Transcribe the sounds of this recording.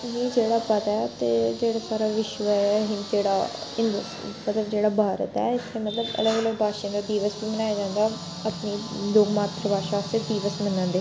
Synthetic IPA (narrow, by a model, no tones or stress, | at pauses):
ɦĩːd͡ʒeːɽaːpət̪ɛːt̪eːd͡ʒeːɽaːsaːɾaːʋɪʃʋɦɪ̃nd͡ʒeːɽa̰ːɪnd̪ | mət̪ləbd͡ʒeːɽaːbʱaːɾə̰t̪ɛ̰ːɪst̪ʰːemət̪ləbə̰ləɡələɡbʱaːʃẽːd̪aːd̪iːʋəsbiːmənaːjaːd͡ʒãːnd̪aː | əpniːd̪oːɡmaːt̪ɾəbaːʃaːsed̪iːʋəsmənãːnd̪eː